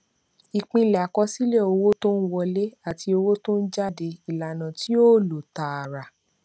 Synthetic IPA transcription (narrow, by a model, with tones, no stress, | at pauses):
i˨k͡pĩ˧la˨kɔ˧˦si˦le˦˨o˧wo˦to˦n̩˦wɔ˧le˦a˦˨ti˧o˧wo˦to˦n̩˦d͡ʒa˦de˧i˨la˨nã˨ti˦o˦˨lo˨ta˨a˨ɾa˨